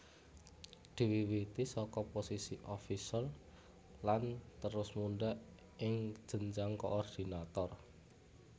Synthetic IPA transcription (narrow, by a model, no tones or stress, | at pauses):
d̪̥i̤wiwit̪isɔkɔposisiʔɔfisəl | lant̪əɾʊsmunɖaʔ | ɪŋ̥ʒ̥ə̤ɲd͡ʒaŋkoʔɔrd̪̥i̤nat̪ɔr